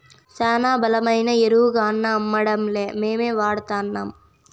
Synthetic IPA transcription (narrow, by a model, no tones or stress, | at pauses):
saːnaːbɐlɐmɐjnɐeɾuːɡaːnːɐːmːɐɽɐmleːmeːmeːʋaːɽt̪aːnːɐm